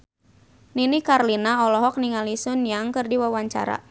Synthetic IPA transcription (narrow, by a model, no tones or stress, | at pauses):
ninikarlinaɔlɔɦɔk̚niŋalisʊnjaŋkɨrdiwawaɲt͡ʃa̰ɾa̰